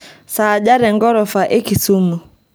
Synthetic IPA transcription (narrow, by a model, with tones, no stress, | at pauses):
saː˨ʄa˦ɾɛ˨ŋɡɔ˦ɾɔ˨fa˨ʔe˦ki˨su˦mu˨